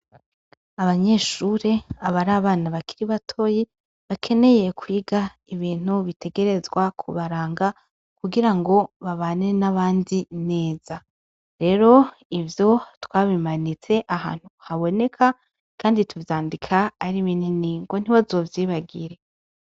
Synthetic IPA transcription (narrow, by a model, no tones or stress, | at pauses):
aβaɲe̞ʃuɾe̞aβaɾaːβaːnaβakʰiɾiβatʰo̞ːje | βakʰe̞ne̞je̞kwiːɡa | iβiːn̥huβitʰe̞ɡe̞ɾe̞zɡwakʰṵβaɾaːŋɡa | kuɡiɾaŋɡo̞βaβaːnenaβaːndine̞ːz̥a | ɾe̞ɾo̞ | ivjo̞twaːβimanit͡se̞ʔaha̰ːn̥huhaβo̞ne̞kʰa | kaːndituvjaːndikʰaːɾiβininiŋɡo̞n̥iβazo̞vjiːβaɡiɾe̞